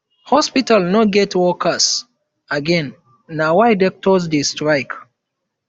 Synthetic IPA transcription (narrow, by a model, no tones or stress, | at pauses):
hɔspitalnɔɡɛtwɔkʰas | aɡɛ̃nː | awajdɔk̚tɔsdestɹaɪk